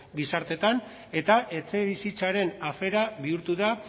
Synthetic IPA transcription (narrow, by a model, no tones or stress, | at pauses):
ɡisaɾt̪e̞t̪an | e̞t̪aʔe̞t͡se̞βisit͡saɾe̞nafe̞ɾaβiuɾt̪uða